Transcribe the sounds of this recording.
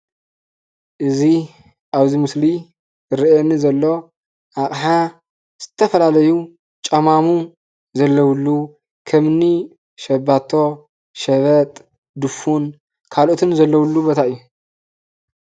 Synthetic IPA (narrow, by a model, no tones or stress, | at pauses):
ʔɨzi | ʔaβzimɨsli | ɾiʔenizɐlːo̞ | ʔakʼħa | z̥ɨt̪ʰɐfɐlalɐju | t͡ʃʼɐmamu | zɐlːɐwlːu | kʰɐmni | ʃɐbat̪ʰːo̞ | ʃɐβɐt̪ʼ | d̪ɨfun | kʰalʔot̪ʰɨnzɐlːɐwulːubot̪ʰaʔɨjːu